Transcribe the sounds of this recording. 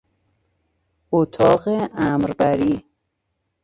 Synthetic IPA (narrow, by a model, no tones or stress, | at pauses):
ot̪ʰɒːɣeæmɾbæɾiː